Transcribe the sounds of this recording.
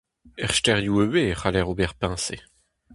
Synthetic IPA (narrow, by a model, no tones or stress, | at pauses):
ɛʁʃtɛʁjuøweχalɛʁobɛʁpɛ̃sḛ